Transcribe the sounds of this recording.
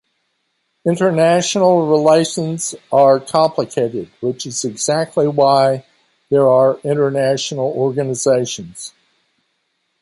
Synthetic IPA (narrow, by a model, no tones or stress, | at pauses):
ɪ̃ntə˞næʃnl̩ˠɹileɪʃə̃nzə˞kʰɑ̃mpʰləkʰeɪɾɪd̚wɪt͡ʃɨzɨɡz̥æk̚tʰˡliwaɪ | ðə˞ə˞ɪ̃ñə˞næʃn̩l̩ˠɔɹɡɨnɨzeɪʃɨ̃nz̥